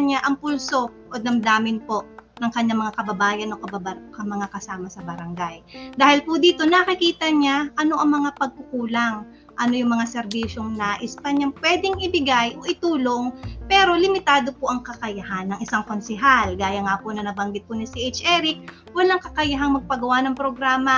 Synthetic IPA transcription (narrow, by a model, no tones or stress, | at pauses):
ɲaʔɐŋpulso̞ʔod̪ɐmd̪aːmɪnpo̞nɐŋkɐɲːaŋmɐŋakɐbɐbaːjɐno̞kɐbɐbakɐmɐŋakɐsaːmɐsɐbɐɾɐŋɡajd̪aːhɪlpʊd̪iːt̪o̞nɐkɪkiːt̪ɐɲaʔɐno̞ʔɐŋmɐŋapɐɡ̚kʊkuːlaŋ | ʔɐno̞jʊŋmɐŋasɛɾbiːʃo̞ŋnaʔɪspɐɲaŋpwɛd̪ɪŋʔɪbɪɡajʔo̞ʔɪt̪uːlo̞ŋpɛːɾo̞lɪmɪt̪aːd̪o̞poʔɐŋkɐkɐjɐhanːɐŋʔɪsaŋko̞nsɛɦalɡaːjɐŋapʊnɐnɐbɐŋɡɪt̪̚pʊnɪsiʔejt͡ʃʔɛɾɪk̚ | wɐlaŋkɐkɐjɐɦaŋmɐɡ̚pɐɡɐwanɐŋpɾoɡɾaːmɐ